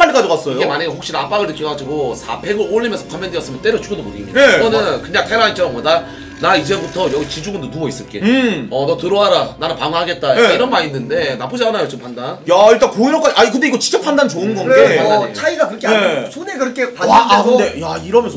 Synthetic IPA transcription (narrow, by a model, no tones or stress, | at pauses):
anik͈ad͡ʑokas͈ʌijoɡemaɲaɡeɸokɕ͈iɾap͈aɡɯɭnɯkʰjʌɡad͡ʑiɡosʰa̰pʰe̞ɡɯɭoʎːimjʌnsʰʌkʰʌmːe̞ndɯjʌs͈ɯmjʌnt͈eɾot͡ɕuɡodopoɾiɡimɲidaɡʌnɯnkɯɲaŋtʰeɾait͡ɕʰʌɾʌŋɡʌnda | naid͡ʑebutʰʌjʌɡit͡ɕid͡ʑuɡɯndonubʌis͈ɯɭk͈e̞ʌnʌtɯɾoɦaɾananɯpaŋɦaɡe̞t̚t͈aeiɾʌnmaɾinːɯnde̞nap͈ʰod͡ʑaanajot͡ɕ͈ompʰandanjaiɭt͈ankoiɾʌk͈aaik̬ɯnde̞iɡʌt͡ɕi̥k̚t͡ɕ͈ʌpʰandant͡ɕoɯnɡʌnɡeat͡ɕʰaiɡakɯɾʌkʰeaɲsʰonekɯɾʌkʰepaedejaiɾʌmjʌnsʰ